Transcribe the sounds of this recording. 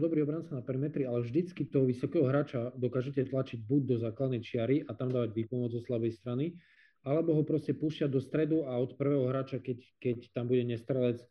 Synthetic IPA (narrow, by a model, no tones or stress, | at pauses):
d̪ɔbɾiɔbɾant͡sanapɛɾimɛt̪ɾialɛvʒd̪it͡skit̪ɔɦɔʋisɔkɛːɦɔɦɾaːt͡ʃad̪ɔkaːʒɛcɛt̪lat͡ʃiɟ̚buɟ̚d̪ɔzaːklad̪nɛjt͡ʃɪaɾiʔat̪amd̪aːʋaɟʋiːpɔmʊɔd͡zzɔslabɛjst̪ɾani | alɛbɔɦɔpɾɔscɛpuːscɪad̪ɔst̪ɾɛd̪uaɔt̪pr̩ʋɛːɦɔɦɾaːt͡ʃakɛkɛct̪ambuɟɛɲɛst̪ɾɛlɛt͡s